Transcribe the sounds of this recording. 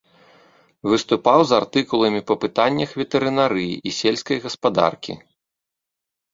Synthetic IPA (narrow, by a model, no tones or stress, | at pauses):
vɨst̪upawzart̪ɨkulˠɐmʲipɐpɨt̪anʲːɐxvʲɛt̪ɛɾɨnaɾɨjḭʔisʲelʲskɐjɣɐspad̪a̰rkʲḭ